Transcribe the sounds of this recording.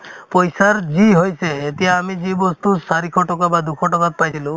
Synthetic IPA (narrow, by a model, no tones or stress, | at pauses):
pɔjsaɾd͡ʒiɦojseːt̪iaːmid͡ʒibɔst̪usaɾikʰɔʈɔkabad̪ukʰɔʈɔkat̪̚pajt͡ʃʰilũ